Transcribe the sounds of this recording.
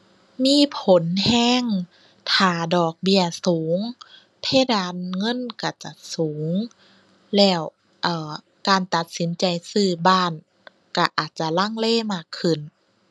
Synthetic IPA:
miː˧˥˨pʰo˨˦nhɛː˧˥˩ŋ | t̪ʰaː˧˩dɔː˨˩k̚bi˧˩ɐsuː˨˩˦ŋ | p̪ʰe˧˥˨daː˧˨nŋɤ˧˥˨nka˧˩t͡ɕa˨˧˩suː˩˦ŋ | lɛː˧˩w | ʔɤː˧˩ | kaː˨nt̪a˧˩t̪̚si˨˦nt͡ɕa˨jsɯː˧˩baː˧˥˩n | ka˧˩ʔaː˨˩t̪̚t͡ɕa˧˩la˧˥˨ŋleː˧˥˨maː˧˩kʰːɯ˧˩˨n

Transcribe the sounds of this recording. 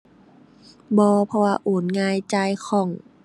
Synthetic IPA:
bɔː˧pʰɔ˧waː˧ʔoː˨˦nŋaː˧jt͡ɕa˧jkʰɔː˧˩˦ŋ

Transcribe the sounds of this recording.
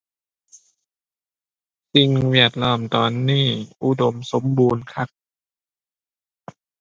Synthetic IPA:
si˧ŋwi˧˩ət̪̚lɔː˧˩mt̪ɔː˧nːiː˥˩ʔu˧˦do˧mso˨˦mbuː˧nkʰa˧˥˩k̚

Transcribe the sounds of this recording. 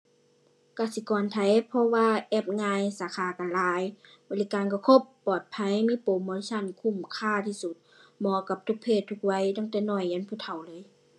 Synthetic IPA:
kaː˧˩si˧˦kɔː˨˩nt̪ʰa˧˨˦jpʰɔ˧waː˧ʔɛː˧˩p̚ŋaː˧jsaː˨˧˦kʰaː˧˦ka˧˨laː˨˧˦j | bɔː˧˨li˧kaː˨nkɔ˧˩kʰo˧˦pːɔː˨˩t̪̚pʰa˧˥˨jmiː˧˥˨po˨˦moː˧˨i˧sʰa˧˨nkʰu˧˩˨mkʰaː˧˩˨t̪ʰiː˧su˧˦t̪̚mɔː˧˦ka˧˦p̚t̪ʰu˧˦k̚pʰeː˧˩t̪ʰːu˧k̚wa˧˥˨jt̪ʰa˧˥˨ŋt̪ɛː˧˦nɔː˧˩jːa˧˥˨npʰuː˧˩t̪ʰa˨˩wlɤː˧˦˨j

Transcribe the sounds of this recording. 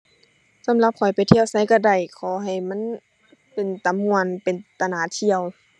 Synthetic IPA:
sa˧˦mla˧p̚kʰɔ˨˩jpa˨˩jt̪ʰi˧ə˨wsa˧˥˦jka˧˩da˧˩jkʰɔː˧˩˦ɦa˨˩jma˧˥˨n | pe˨nt̪a˨˦mːu˧˨ənpe˨nt̪a˧˨naː˧˩t̪ʰi˧əw

